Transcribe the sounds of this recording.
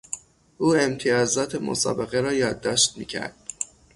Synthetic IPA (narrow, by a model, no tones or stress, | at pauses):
ʔuːe̞mt̪ʰijɒːzɒːt̪ʰemo̰sɒ̰ːbe̞ɣe̞ɾɒːjɒːd̪ːɒːʃt̪̚mḭːcʰæ̰ɾd̪̥